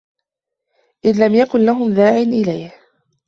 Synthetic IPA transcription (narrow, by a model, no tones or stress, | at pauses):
ʔɪðlamjakʊnlaɦʊmðaːʕɪnʔɪlajh